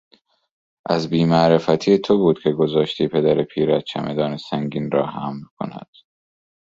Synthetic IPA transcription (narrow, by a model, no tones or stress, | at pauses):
ʔæzbiːmæʔɾe̞fæt̪ʰijet̪ʰobuːd̪̥cʲʰe̞ɡo̞zɒːʃt̪ʰiːpʰe̞d̪æɾepʰiːɾæt̪̚t͡ʃʰæmʔed̪ɒːnesæŋɟiːnrɒːhæmlkʰo̞̰næ̰d̪̥